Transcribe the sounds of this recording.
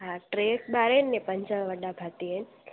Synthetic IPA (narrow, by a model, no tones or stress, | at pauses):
ɦaʈɾekbaɾenːepəɲt͡ʃəɭʋəɖabʱat̪ien